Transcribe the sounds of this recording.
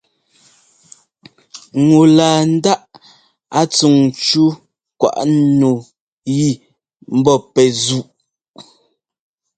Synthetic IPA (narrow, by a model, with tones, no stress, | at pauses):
ŋu˨laː˨n̩˦da˦ʔ | a˦t͡su˨ŋt͡ʃu˦ | kwa̰˨ʔno˨ | ji˦˨ | m̩˦bɔ˦˨pɛ˨zu˦˨ʔ